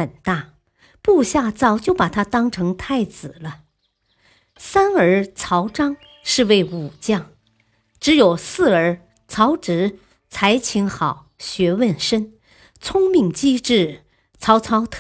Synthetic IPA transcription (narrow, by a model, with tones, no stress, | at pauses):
ə˨˩nt̪a˥˩ | pu˥˧ɕja˥˧t͡sɑ˥˧ʊt͡ɕjo˥˩ʊpa˨˩t̪ʰa˥t̪ɑ˥ŋʈ͡ʂʰɤ˧˥ŋt̪ʰa˥˩ɪt͡sɹ̩˨˩lə˦ | sa˥nə˞˧˥t͡sʰɑ˧˥ʊʈ͡ʂɑ˥ŋ | ʂɻ̩˥˧we˥˩ɪu˨˩t͡ɕjɑ˥˩ŋ | ʈ͡ʂɻ̩˧˥jo˨˩ʊsɹ̩˥˩ə˞˧˥ | t͡sʰɑ˧˥ʊʈ͡ʂɻ̩˧˥ | t͡sʰa˧˥ɪt͡ɕʰi˧˥ŋxɑ˨˩˦ʊɕɥɛ˧˥wə˥˩nʂə˥n | t͡sʰʊ˥ŋmi˥˩ŋt͡ɕi˥ʈ͡ʂɻ̩˥˩ | t͡sʰɑ˧˥ʊt͡sʰɑ˧˥ʊt̪ʰ